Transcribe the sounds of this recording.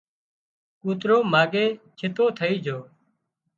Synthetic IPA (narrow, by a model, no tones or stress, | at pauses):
kuːt̪ɾoːmaːɡeːt͡ʃʰɪt̪oːt̪ʰəiːd͡ʒʱoː